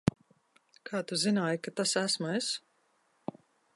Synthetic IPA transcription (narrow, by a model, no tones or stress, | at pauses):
kʰaːt̪uzinaːjkat̪asæsmues